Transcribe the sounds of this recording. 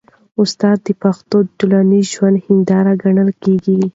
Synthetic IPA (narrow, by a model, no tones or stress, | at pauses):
ʊst̪ɑd̪ːəpaxt̪oʈulɑnizʒwand̪hɪnd̪ɑɾaɡaɳəlkeɡi